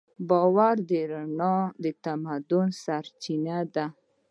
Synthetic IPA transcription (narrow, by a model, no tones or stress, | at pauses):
bɑwaɾd̪əɾaɳɑd̪ət̪amad̪ʊnsaɾt͡ʃinad̪a